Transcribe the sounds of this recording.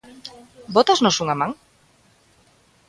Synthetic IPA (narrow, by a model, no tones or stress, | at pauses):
bot̪aznosuŋamãŋ